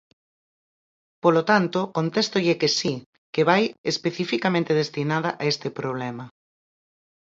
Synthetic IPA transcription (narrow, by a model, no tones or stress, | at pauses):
polot̪ant̪okont̪est̪oʎekesi | keβajespeθifikamẽnt̪eð̞est̪inaðɐʔaest̪ɪpɾoβ̞lɛmɐ